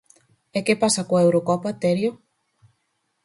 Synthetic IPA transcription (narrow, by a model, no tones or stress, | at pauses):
ekepasakoaewɾokɔpat̪eɾjo